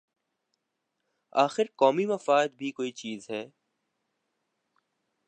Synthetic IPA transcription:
aːxɪɾkɔːmimɐfaːd̪̚bʱikoːit͡ʃiːzɦɛː

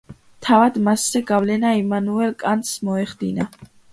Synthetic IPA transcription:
t̪ʰavad̪maszɛɡavlɛnaimanuɛlkʼant̪smɔɛχd̪ḭna

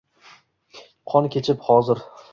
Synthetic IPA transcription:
qʰɒnkʲʰe̞t͡ʃʰɪphɒzɪɾ

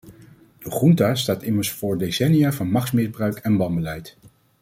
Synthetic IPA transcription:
d̥əχruntaːstaːtɪməɹsfʊːɹdesɛnijaːvɑnmɑχsmɪzbrœɥkʰɛnbɑmbəlɛjt

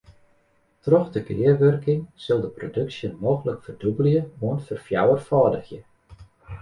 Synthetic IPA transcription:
trɔxdəɡɪərʋørkɪŋsɪlˠdəprodɵksjənmoːɣələkfərdubəlˠjəoənfərfjawərfɔːdəxjə

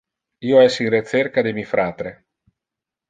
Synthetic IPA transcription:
iːoɛsinret͡ʃerkad̪emifɾaːt̪ɾe

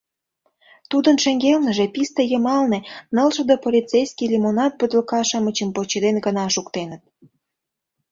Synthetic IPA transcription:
t̪ud̪ənʃĕŋɡelnəʒepist̪ejəmɑlnenə̆lʃə̆d̪opolʲit͡sejskʲilʲimonɑt̪̚bəd̪ləkɑʃəmət͡ɕəmpot͡ɕed̪enɡənɑʃukt̪enət̪̚

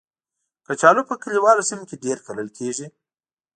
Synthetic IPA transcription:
kət͡ʃɑlupəkəliwɑlosimkeɖeɾkaləlkʰeʒi

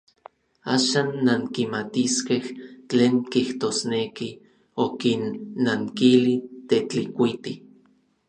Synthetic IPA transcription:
aːʃaːnːaŋkimat̪iskeht͡ɬeːŋkiht̪osneki | okinːaŋkilit̪et͡ɬikʷit̪i

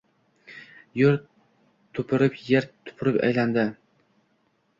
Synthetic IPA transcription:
jʊɾ | t̪ʰʊpʰɪɾɪpʰjeɾt̪ʰʊ̥pʰɪɾɪpa̰jland̪ɪ

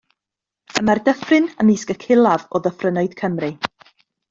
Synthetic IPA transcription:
əmardəfrɨnəmiskəkʰɪlˠavɔðəfrənɔɨd̥kʰəmrɨ

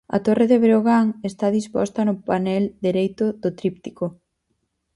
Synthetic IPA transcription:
ɐ̰t̪oreðeβɾoɣaŋest̪aðispɔ̰st̪ɐnʊpanɛld̪iɾejt̪ʊðʊt̪ɾip̚t̪iko

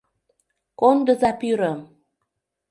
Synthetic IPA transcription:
kond̪əzapyɾəm

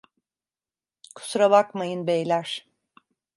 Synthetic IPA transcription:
kʰu̥suɾabakmajɯnbejlʲæɾ̥

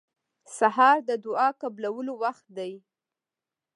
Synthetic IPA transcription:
saɦɑɾd̪əd̪ʊɑkablawəlowaxt̪̚d̪aj

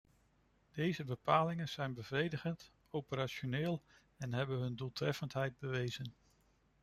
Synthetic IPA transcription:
d̥ejzəbəpaːlɪŋənz̥ɛjnbəvrejdəχənt | owpəɾaʃonɪːlˠ | ɛnɦɛbənɦɵndulˠtrɛfəntɦɛjd̚bəʋejzən

